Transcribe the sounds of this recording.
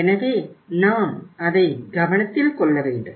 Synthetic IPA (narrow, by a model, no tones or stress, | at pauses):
enɐʋenaːmɐðeɡʱɐʋɐɳɐt̪ːilkoɭːɐʋeːɳɖɨ